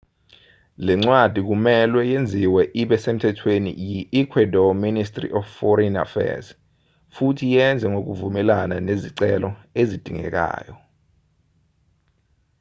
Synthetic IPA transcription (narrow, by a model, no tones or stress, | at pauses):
lɛŋ͡ǀwad̥ʱik̬umɛlwɛjend͡zʱiwɛʔiɓɛsem̩tʰɛtʰwenḭjiʔikʰwɛdɔministʼrḭʔɔfːɔɾɛna̰fɛ̰z | futʰijɛnd͡zʱɛŋok̬uvumɛlananeziǀɛlɔezid̥ʱiŋɛ̰k̬a̰ːjɔ